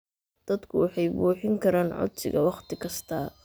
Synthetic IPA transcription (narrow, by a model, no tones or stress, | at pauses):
d̪̥ɐd̪kʰʊwɑħɑjbuːħɪŋkʰɐɾaːnʕɔ̰t̪ʰɪ̰ɣɐwɑqt̪ʰɪkʰɐst̪ʰɐ